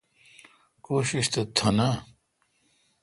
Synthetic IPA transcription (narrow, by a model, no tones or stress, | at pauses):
koːɕiɕt̪ɐt̪ʰɐna